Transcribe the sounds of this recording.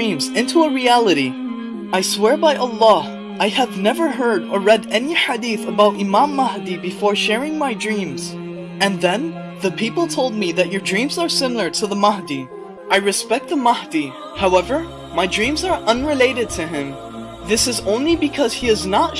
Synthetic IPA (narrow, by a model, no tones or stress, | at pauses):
ĩmzɪ̃ntʰuəɹiælˠəɾi | aɪswɛɹbaɪʔəlˠːɑ | aɪɨvnɛvə˞ɦɜ˞ɾə˞ɹɛɾɛniħadiθəbaʊɾɨmãmːʌhdibɨfɔɹʃɛɹɪ̃ŋmaɪdɹĩmz̥ | ɨ̃nðɨ̃n | ðɨpʰipl̩ˠtʰoʊlˠd̚miðɨt͡ʃə˞dɹĩmzə˞sɪ̃ml̩ˠə˞ɾɨðəmʌhdi | ʔaɪɹɨspɛk̚t̪̚ðəmʌhdi | haʊɛvə˞ | maɪdɹĩmzə˞ʔʌ̃nɹɨleɪɾɨd̚tʰɨɪ̃m | ðɪsɨzõʊ̃nlibɨkʰʌz̥hiɨznət